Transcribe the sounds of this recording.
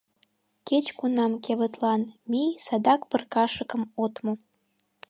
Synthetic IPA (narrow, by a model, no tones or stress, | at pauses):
ket͡ɕkunɑmkeβə̆t̪lɑnmijsɑd̪ɑkpə̆rkɑʃə̆kə̆mot̪mo